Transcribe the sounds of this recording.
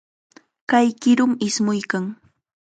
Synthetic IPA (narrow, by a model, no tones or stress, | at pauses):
kajkɪɾʊmɪsmʊjkaŋ